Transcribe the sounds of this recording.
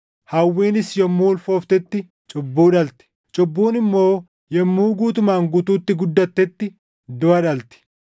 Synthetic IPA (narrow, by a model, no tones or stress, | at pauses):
hɐwːiːnɪsjɔmːuːlfoːft̪ɛt̪ːɪ | t͡ʃʼʊbːuːᶑɐlt̪ɪ̥ | t͡ʃʼɔbːuːnɪmːo̞ː | jɔmːuːɡuːt̪̬ʊmaːŋɡʊt̪uːt̪ːɪɡʊd̪ːɐt̪ːɛt̪ːɪ | d̪ʊɐᶑɐlt̪ɪ̥